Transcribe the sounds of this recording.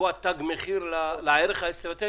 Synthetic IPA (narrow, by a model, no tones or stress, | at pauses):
uat̪ːaɡmeχiɾlalaeɾeχaest̪ʁat̪e